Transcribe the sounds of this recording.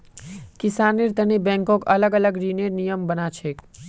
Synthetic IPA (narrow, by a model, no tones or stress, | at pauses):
kisanːiɾt̪ənibɛ̃ŋkõkələɡələɡɾineɾnijəmbənat͡ʃʰek